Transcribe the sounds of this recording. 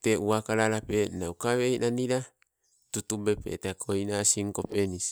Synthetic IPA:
t̪euakaɾaɾapenaukawejnaniɾa | t̪ut̪ubepḛt̪ekʰoinasiŋkopenis

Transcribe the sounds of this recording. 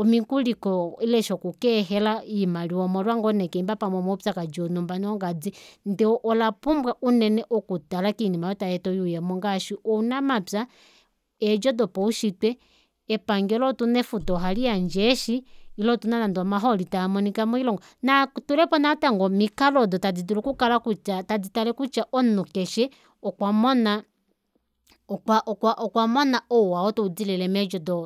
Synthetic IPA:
ɔmikulikɔilɛʃɔkukɛɦɛlaimaliɔmɔɾwaŋɡɔnɛkɛimbapamwɛmɔpʲakad͡ʒɔnumbanɔŋɡad͡zindɛɔʔɔlapumbwaʔunɛnɛʔukutalakinimajɔtajɛtɔjujɛmuŋɡaʃiʔunamapa | ɛd͡ʒɔdɔpɔuʃitwɛ | ɛpaŋɡɛlɔtunɛfutɔɦaliaɲd͡ʒɛʃiːlɔtunananduamaɦɔlitamɔnikamɔilɔŋɡɔ | natulɛpɔnataŋɡɔmikalɔdɔtad͡zidulukukalakut͡ʃatad͡zitalɛkut͡ʃaʔɔnukɛʃɛ | ɔkwamɔna | kaʔɔkwaʔɔkwamɔnaɔwaɔtɔud͡zilɛlɛmɛd͡ʒɔdɔ

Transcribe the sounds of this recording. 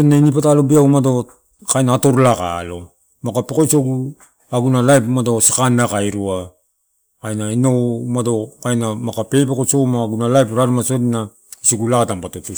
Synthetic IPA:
onainip̬atalobiaumado̞ | kajnaːto̞ɾlaka̰lo̞ | makapekojsoɡu | aɡunalajpmado̞sikanːakajɾua | kajnainomado̞kajnamakape̞p̬ekot͡ʃomaɡunalajpɾaɾmasotina | isiɡulakatampatotu

